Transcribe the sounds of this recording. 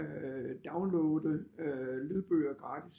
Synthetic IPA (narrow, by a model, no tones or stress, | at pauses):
d̥ɑ̈ʊnloːd̩ | leð̩ˠb̥øːɐɡ̥ʁɑ̈ːd̥ʰis